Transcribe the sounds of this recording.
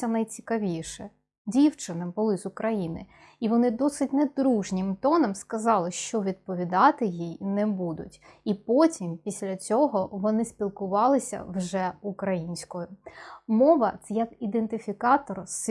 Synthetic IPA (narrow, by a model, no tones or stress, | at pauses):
ɐnɐjt͡sʲi̥kɐʋʲiʃɛ | dʲiwt͡ʃɪnɪbʊlˠɪzʊkɾɐjinɪ | iʋɔnɪd̪ɔsɪtʲnɛd̪ɾuʒnʲɪmt̪ɔnɔmskɐzɑlˠɪʃt͡ʃɔʋʲid̪̚pɔʋʲid̪ɑt̪ɪjijnɛbud̪ʊtʲipɔtʲimpʲisʲlʲɐt͡sʲɔɦɔʋɔnɪspʲilˠkʊʋɑlˠɪsʲɐ̰wʒɛʊkɾɐjinʲsʲkɔjʊmɔʋɐt̪sɛjɐkid̪ent̪ɪfʲikɑt̪ɔrs